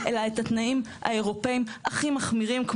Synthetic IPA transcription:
ʔelaetatnaimha̰e̞ʁo̞pe̞imaχimaχmiʁimk

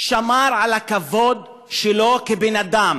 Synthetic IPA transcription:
ʃamaɾʕalakavod̪ | ʃelokebenad̪am

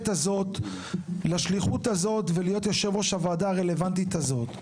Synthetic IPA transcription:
tazo̞t | laʃliχutazo̞t̪velijo̞t̪joʃevoʃavaːdaːʁe̞le̞vant̪̬itazo̞t

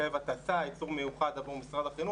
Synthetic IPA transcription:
evat̪asait͡suʁme̞juχad̪avuʁmisʁad̪aχinu

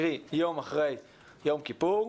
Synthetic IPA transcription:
ʁijowmaχʁej | jowmkipuʁ

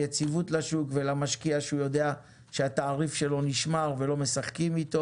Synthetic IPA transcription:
jet͡sivutlaʃukvelamaʃkiaʃeujo̞d̪e̞a | ʃeat̪aːʁifʃe̞lo̞niʃmaʁve̞lo̞me̞saχkimit̪o̞

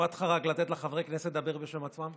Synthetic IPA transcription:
at̪χaʁaɡlat̪et̪leχavʁekneset̪̚d̪abeʁbeʃemat͡smam

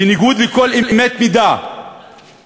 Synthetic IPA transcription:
iniɡuːd̪likolʔilimet̪mid̪a

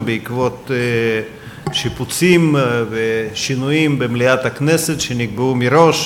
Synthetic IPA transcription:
beikvo̞t̪ | ʃiput͡simveʃinujimbemliat̪akneset̪ʃeniɡ̚beumiɾo̞ʃ

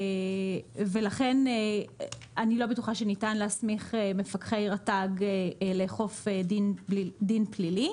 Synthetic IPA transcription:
velaχene | anilo̞betuχaʃenitanleasmiχeme̞fakχejʁataɡleːχo̞fedinlidinplili

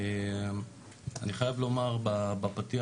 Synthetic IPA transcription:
e | aniχajavlo̞maʁbabapatia

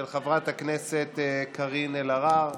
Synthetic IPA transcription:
elχavʁat̪akneset̪ːkʰaʁinelaʁaʁ

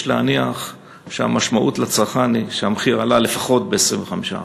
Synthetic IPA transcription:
ʃleaniaχ | ʃea̰maʃmaʔutlat͡saʁχaniʃeamχiʁalale̞faχo̞t̚beesʁimveχamiʃa̰

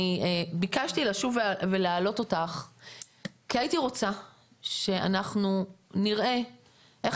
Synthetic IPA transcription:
iebikaʃtilaʃuveveleaːlo̞to̞taχ | kiaitiʁo̞t͡sa | ʃe̞a̰naχnuniʁʔe̞ | ʔeχ

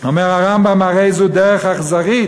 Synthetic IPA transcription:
ɔmɛʁaʁambamaʁeɪzudɛʁəχaχzaʁiː

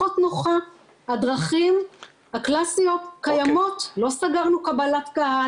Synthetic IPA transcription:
ot̪noχa | hadʁaχim | haklasijo̞tkajamo̞tlo̞saɡaʁnukabalatɡaha

